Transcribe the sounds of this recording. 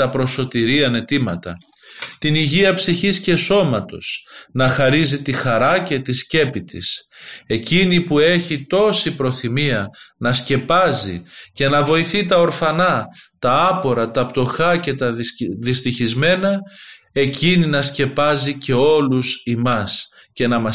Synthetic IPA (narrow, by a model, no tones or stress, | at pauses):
ɐpɾo̞so̞t̪iɾiɐne̞t̪imɐt̪ɐ̰ | t̪iniʝiɐpsiçisce̞so̞mɐt̪o̞̰snɐxɐɾizit̪ixɐɾɐce̞t̪isce̞pit̪ḭse̞cinipue̞çit̪o̞sipɾo̞θimiɐnɐsce̞pɐzḭce̞nɐvo̞iθit̪ɐo̞ɾfɐnɐt̪ɐɐpo̞ɾɐt̪ɐpt̪o̞xɐce̞t̪ɐðist̪içizme̞nɐ | e̞cininɐsce̞pɐzice̞o̞lusimɐs | ce̞nɐmɐ